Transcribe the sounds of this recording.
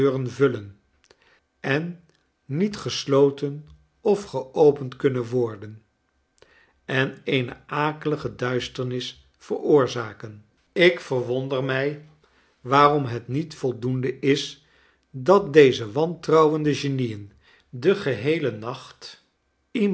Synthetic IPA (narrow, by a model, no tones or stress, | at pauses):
rənvɵlən | ɛnː | itχəslowtən | ɔfχəʔowpəntkɵnənʋɔɹdən | ɛnejnə̰aːkələχədœɥstəɹnɪs | fərʊːɹzaːkən | ɪkfərʋɔndərmɛj | ʋaːrɔmɦɛtnitfɔlˠdundəʔɪs | dɑt̚dejzəʋɑntrɑwəndəʒenijən | dəχəɦejlənɑχt | i